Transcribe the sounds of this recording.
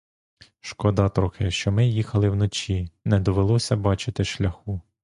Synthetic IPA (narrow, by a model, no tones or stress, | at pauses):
ʃkɔd̪ɑt̪ɾɔxɪʃt͡ʃɔmɪjixɐlˠɪwnɔt͡ʃinɛd̪ɔʋelˠɔsʲɐbɑt͡ʃɪt̪ɪʃlʲɐxu